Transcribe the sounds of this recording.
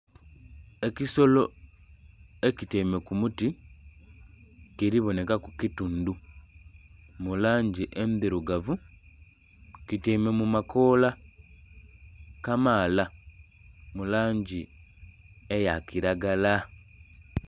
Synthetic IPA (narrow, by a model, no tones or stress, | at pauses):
e̞ciso̞lo̞ | eciteme̞kumuti | kiɾiβo̞ne̞kakukitundu | mulaːɲɟiʔenðiɾuɡavu | kiteme̞mumako̞ːla | kamaːla | mulaːɲɟi | ejakiɾaɡala